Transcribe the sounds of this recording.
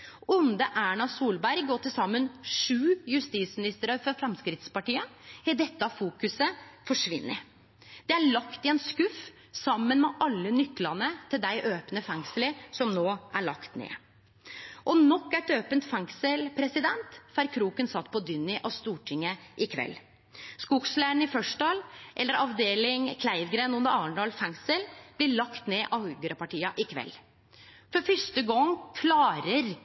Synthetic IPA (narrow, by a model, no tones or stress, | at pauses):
ʊnd̪əʔæːɳɑsuːlbæɾɡoːʈɪlsɑmːənʂʉːjʉst̪iːsmɪnɪst̪əɾəɾfɔɾfɾɑmskɾɪt̪spɑʈiːəɛd̪ɛt̪ːɑfuːkʉsəfɔʂʋɪ̰nːə | d̪̥ɛæɭɑkt̪ɪɛnskʉf | sɑmːənmɛʔɑlːənʏkːlɑnət̪ʰɪld̪æɪʔøːpnəfɛŋsələɾsɔmnoːʔæɭɑkt̪nḛː | ʔɔnɔkːæʈ̪øːpənt̪fɛŋsəlpʰɾɛsɪd̪ɛnt̪fæɾkʰɾuːkənsɑt̪ːpʰɔd̪ʏnːɪʔɑʋst̪uːʈʰɪŋːəʔɪkʰʋɛ̰lː | skʊkslæːɳɪfœʂɖɑːlʔɛlːəɾɑʋd̪eːlɪŋkʰlæɪʋɡɾeːnʊnəɾɑːɳɖɑːlfɛŋsəlb̥lɪɭɑkt̪neːʔɑʉɡəɾɑpɑʈiːɑʔɪkʰʋɛ̰lː | fɔɾfʏʂt̪əɡɔŋːkʰlɑːɾəɾ